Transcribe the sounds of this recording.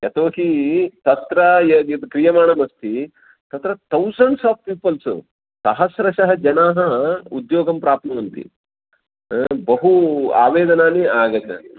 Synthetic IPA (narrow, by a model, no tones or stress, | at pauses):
jɐt̪oːɦit̪ɐt̪ɾɐjɐt̪kɾijɐmaːɳɐmɐst̪ʰi | t̪ɐt̪ɾɐt̪ɐwsɐɳɖsaːfpiːpɐls | sɐɦɐsɾɐʃɐɦɐd͡ʒɐnaːɦɐud̪joːɡɐmpɾaːp̚t̪mɐɐnt̪ḭ | bɐɦua̰ːʋeːd̪ɐnaːniaːɡɐt̪ɐ̰